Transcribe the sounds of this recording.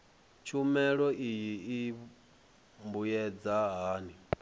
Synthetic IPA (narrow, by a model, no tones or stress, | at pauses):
t͡ʃʰumɛɺɔʔijii | mbujɛd͡zaɦaːni